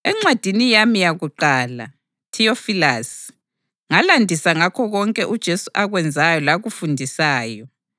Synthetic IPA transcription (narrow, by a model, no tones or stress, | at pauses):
ɛŋ͡ǀwad̥ʱinijamijaɣuǃaːla̰ | tʰiofilas | ŋalandʱisaŋakʰɔɣɔŋkʼɛʔud̥ʒ̥ʱesuʔaɣwɛnd͡zʱajɔlaɣufundʱisaːjɔ